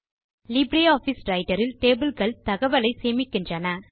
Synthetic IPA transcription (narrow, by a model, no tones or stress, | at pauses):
lɪbɾeaːfisɾɐɪʈːɐɾɪlʈeːbɪlɣɐɭt̪ɐɣɐʋɐlɐɪseːmɪkːɪndrɐnɐ